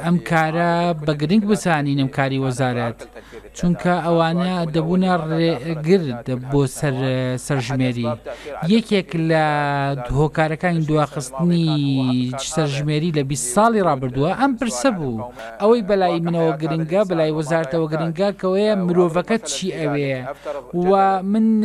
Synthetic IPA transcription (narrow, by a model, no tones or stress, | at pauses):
ʔɐmkʰaːɾɐbɐɡɨɾɨŋɡbɨzaːninɐmkʰaːɾiwɐzaːɾɐt̪t͡ʃuŋkʰɐʔɐwaːnɐd̪ɐbuːnɐreɡɨɾd̪boːsɐɾsɐɾʒmeːɾijɐkʰeklɐ | hoːkaːɾɐkaːnid̪uwaxɨst̪ɨni | sɐɾʒmeːɾiːlɐbist̪sˤɑːlˠirˤɑːbɨɾd̪uːɐʔɐmpɨɾsɐbu | ʔɐwɐjbɐlaːjimɨnɐwɐɡɨɾɨŋɡɐbɐlaːjiwɐzaːɾɐt̪ɐwɐɡɨɾɨŋɡɐkɐwejɐmɨɾoːvɐkɐt͡ʃʰiʔɐwe | wɐmɨn